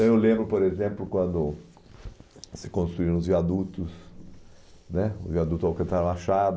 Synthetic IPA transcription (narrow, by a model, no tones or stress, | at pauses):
t̪ɐ̃w̃ewlẽmbɾʊpoɾezẽmplʊkwɐ̃nd̪ʊ | sɪ̥kõst̪ɾuiɾɐ̃ʊzviad̪ut̪ʊs | nɛʊzviad̪ut̪zawkẽt̪aɾɐ̃aʃad̪